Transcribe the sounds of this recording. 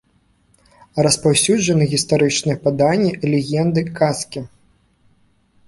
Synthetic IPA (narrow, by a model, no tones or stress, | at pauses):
rɐspawsʲud͡ʐɐnɨɣʲist̪aɾɨt͡ʂnɨjɛpad̪anʲːilʲɛɣʲɛnd̪ɨkaskʲi